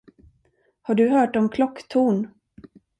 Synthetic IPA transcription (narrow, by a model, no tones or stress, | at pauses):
haɖɵɦœːʈɔmkʰlɔkːt̪ʰuːɳ